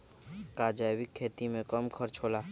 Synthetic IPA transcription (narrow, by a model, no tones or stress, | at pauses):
kaːd͡ʒaːwɪkʰːeːt̪imẽkəmkʰəɾt͡ʃʰoːlaː